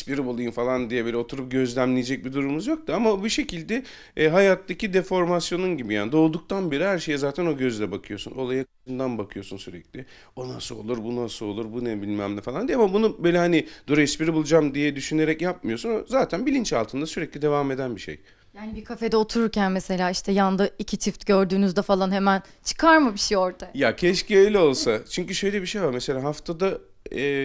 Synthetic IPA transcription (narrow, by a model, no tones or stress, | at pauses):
spiɾibulˠujunfalˠand̪ijɛbilʲɛo̞t̪ʰuɾup̚ɟø̞zlʲæmlʲijed͡ʒɛc̚bid̪uɾumuzjo̞k̚t̪uamabiʃe̞cʰilʲd̪ɛ | ɦajat̪ʰːacid̪e̞fo̞ɾmasjo̞nunɟibijaːnid̪o̞ːd̪uk̚t̪ʰanbeɾihæɾʃe̞jɛzaːt̪ʰæno̞ɟøzlʲɛbakʰɯjo̞suno̞lˠajakʰɯ̥ʃɯnd̪anbakʰɯjo̞sunsyɾɛ̰clʲɪ | o̞nasɯolˠuɾbunasɯo̞lˠuɾbunɛbilʲmæmlʲɛfalˠand̪ijamabunubøjlʲɛhanid̪̥uɾɛspiɾibulˠud͡ʒamd̪ijɛd̪yʃyne̞ɾɛcjap̚mɯjo̞sunazaːt̪ʰænbilʲint͡ʃalˠt̪ʰɯnd̪asyɾɛclʲid̪e̞vame̞d̪ænbiʃḛj | jaːnibikʰafe̞d̪ɛot̪ʰuɾuɾcænmese̞lʲaːiʃt̪ʰɛjand̪ɯicʰit͡ʃʰift̪ɟøɾd̪yːnyzd̪ɛfalˠanhemæn | t͡ʃʰɯ̥kʰaɾmɯbiʃejoɾd̪ajacʰɛʃciøjlʲɛo̞lˠsat͡ʃʰyɲcyʃøjlʲɛbiʃejvaɾmese̞lʲaːɦaft̪ʰad̪a | ɛː